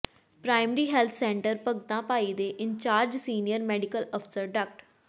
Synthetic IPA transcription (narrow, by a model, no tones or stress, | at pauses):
pɾaːɪmɾiːɦɛːlt̪ʰsɛ̃ːɳʈəɾpəɡt̪ãːpaːiːd̪eːʔɪɲt͡ʃaːɾd͡ʒsiːnijəɾmɛːɖɪkələpʰsəɾɖək̚ʈ